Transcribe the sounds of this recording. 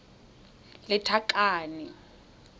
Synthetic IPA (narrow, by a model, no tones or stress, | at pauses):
lɪtʰakʼaːnɪ